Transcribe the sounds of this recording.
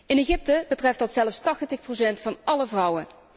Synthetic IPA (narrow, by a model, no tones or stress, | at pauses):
ɪneχɪp̚təbətrɛftdɑtsɛləfstɑχtəxprowsɛntfɑnɑləvrʌwə